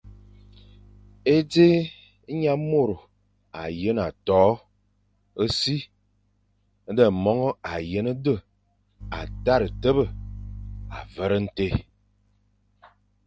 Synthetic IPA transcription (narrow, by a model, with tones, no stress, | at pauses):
e˦d͡ze˦ | ɲa˦mo˦˨ɾo˨ | a˨jə˦n˨a˨tɔː˨˦ | ə˦si˦ | də˨mɔ˦ŋɔ˦a˨jə˦nə˦də˦˨ | a̰˨ta˦˨ɾə˨tə˦bə˦˨ | a̰˨və˦ɾə˦n̩˦te˦